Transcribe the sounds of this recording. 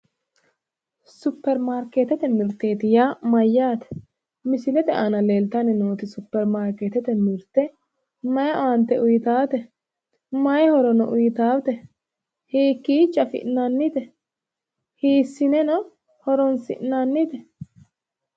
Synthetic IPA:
sʊpːɛɾmaːɾkeːt̪ɛt̪ɛmɪɾt̪ːe̞ːt̪ɪjamɐjːaːt̪ɛ̥ | mɪsɪlɛt̪ɛʔanɐle̞ːlt̪ɐnɪnoːt̪ɪsʊpːɛɾmaːɾkeːt̪ɛt̪ɛmɪɾt̪ːɛ | mɐjɐʔaːnt̪ːɛʊjɪt̪aːt̪ɛ | mɐjɛhɔɾɔnɔʔʊjɪt̪aːwt̪ɛ | hiːkːiːt͡ʃʼːɐfɪ̰ʔnanːɪt̪ɛ | hiːsːɪnɛnɔ | hɔɾɔnsɪ̰ʔnanːɪt̪ɛ

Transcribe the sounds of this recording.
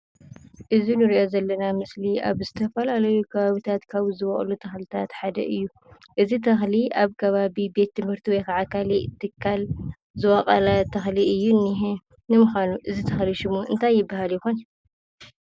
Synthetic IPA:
ʔɨzinɨɾiʔo̞zɐlːɐnamɨsliʔa̰βzɨt̪ʰɐfɐlalɐjukʰɐβaβit̪ʰat̪kʰaβzɨwɐχʼlut̪ʰɐxlit̪ʰat̪ħad̪ɐ̰ʔɨjːu | ʔɨzit̪ʰɐxliʔaβkʰɐβaβibe̞t̪ːɨmhɨɾt̪ʰiwɔjkaʕakʰalit̪ʰːɨkʰːal | zɨwɐqʼɐlat̪ʰɐxliɨjːunːiɦe | nɨmɨxanuʔɨzit̪ʰɐxliʃɪmuɨnt̪ʰajːɪbːahaljɪxonɐ

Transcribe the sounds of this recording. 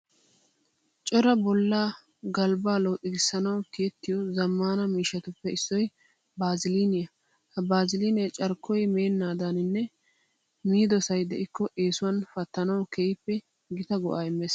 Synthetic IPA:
t͡ʃʼɔɾɐbɔlːaː | ɡɐlbaːlɔwʔʼɪɡɪsːɐnɐwkeːt̪ːɪjɔzɐmːaːnɐmiːʃːɐt̪ʊpːɛɪsːɔj | baːzɪlinɪjɐ | hɐbaːzɪlinɛjt͡ʃʼɐɾkʰːɔjmeːnːaːd̪anɪnːɛ | miːd̪ɔsɐjd̪ɛʔɪkːɔʔe̞ːsʊwɐnfɐt̪ːɐnɐwkɛjɪpːɛ | ɡɪt̪ɐɡɔʔaːɪmːeːs

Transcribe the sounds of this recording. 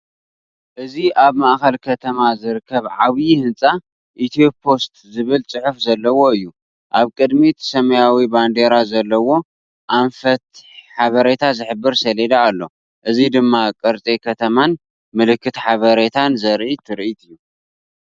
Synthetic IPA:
ʔɨziʔaβmaʔxɐlkʰɐt̪ʰɐmazɨɾɨkʰːɐβʕaβjihɨnt͡sʼa | ʔit̪ʰopʰo̞st̪zɨβɨlt͡sʼɨħɨfzɐlːɐwo̞ɨjːu | ʔaβkʼɨd̪mit̪ʰsɐmɐjawiband̪e̞ɾazɐlːɐwo̞ | ʔaɱfɐt̪̚ħaβɐɾet̪ʰazɨħɨbːɨɾsɐled̪aːlːo̞̰ | ʔɨzid̪ɨmːakʼɨɾt͡sʼekʰɐt̪ʰɐman | mɨlɨkːɨt̪ħaβɐɾet̪ʰanzɐɾʔit̪ʰɨɾʔit̪ʰɨjːu

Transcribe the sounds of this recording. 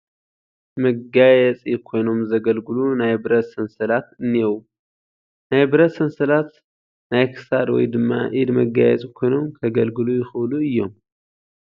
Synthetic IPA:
məɡajɛt͡sʼɛkʰo̞jno̞mzəɡəlɡɨlunajbɨɾət̪sɨnsɨlat̪ɨnːijɛw | najbɨɾət̪sɨnsɨlat̪ | najkʰɨ̥sad̪wɔ̰jd̪ɨmːa̰ʔid̪məɡa̰jɛ̰t͡sʼkʰojno̞mkʰəɡəlɡɨlujɪxɨwluɨjːo̰m

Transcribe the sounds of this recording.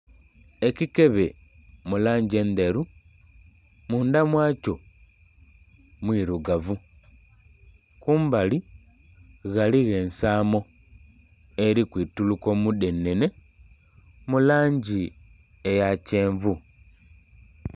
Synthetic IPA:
ekike̞βe | mulaːɲɟe̞nd̪eɾu | muːndamwaːco̞ | mwiɾuɡavu | kuːmbali | ɣaliɣe̞ːnsaːmo̞ | eɾikwiːtuluko̞mude̞ne̞ne̞ | mulaːɲɟi | ejace̞ːɱvu

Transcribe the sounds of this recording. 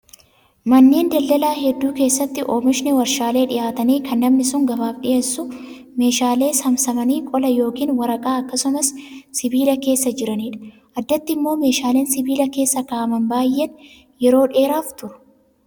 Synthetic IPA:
mɐnːeːnd̪ɐld̪ɐlaːɦɛd̪ːuːke̞ːsːɐt̪ːɪʔoːmɪʃɪnɛwɐɾʃaːle̞ːᶑɪjaːt̪ɐniːkʰɐnːɐmnɪsʊŋɡɐbaːfɗɪjʔeːsːʊ | me̞ːʃaːle̞ːsɐmsɐmɐniːkʼɔlɐjo̞ːkiːnwɐɾɐkʼaːɐkːɐsʊmɐssɪbiːlɐke̞ːsːɐd͡ʒɪɾɐniːᶑɐ̥ | ʔɐd̪ːɐt̪ːɪɪmːo̞ːme̞ːʃaːleːnsɪbiːlɐke̞ːsːɐkaːʔɐmɐnbaːjʔen | jɛɾo̞ːᶑe̞ːɾaːft̪ʊɾʊ̥

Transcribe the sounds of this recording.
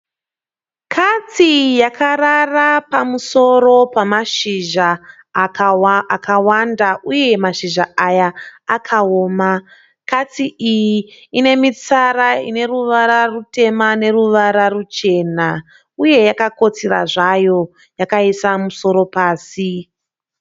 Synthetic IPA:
kʰat͡sijakʰararapamuso̞ɾo̞pamaʃiʒa | akawandaʔuje̞maʃiʒaʔajaːkʰaoːma | kat͡siʔijiine̞mit͡saɾaḭne̞ruʋaɾarute̞mane̞ruʋaɾarut͡ʃe̞na | uje̞jakako̞t͡sira̰ʐajo̞ | jakaisamuso̞ɾo̞paːsi

